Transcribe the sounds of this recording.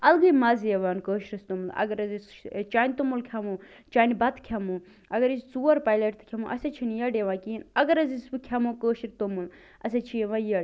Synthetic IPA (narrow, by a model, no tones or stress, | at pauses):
ɐlɡɨjmaːzeʋaːnkəːʃɾɐst̪umulɐ̰ɡɐɾɐzist͡ʃaːnʲt̪umulkʲʰɐmuː | t͡ʃaːnibɐt̪ʰkʰʲɐmuː | ɐɡɐɾist͡suːɐɾpaːjleʈt̪ʰkʰʲɐmuːʔɐset͡ʃʰinjɐɖeʋãːkiːnɐɡɐɾɐzisbɨkʲʰɐmuːkəːʃiɾt̪omul | ɐs̬et͡ʃʰijeʋãjɐɽ